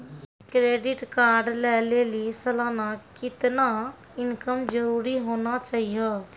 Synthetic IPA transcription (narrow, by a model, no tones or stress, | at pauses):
kɾeːɖɪʈkaːɾɖlɛːleːlisəlaːnakɪt̪na | ɪnkəmd͡ʒəɾuːɾiɦoːnat͡ʃaːɦiɛ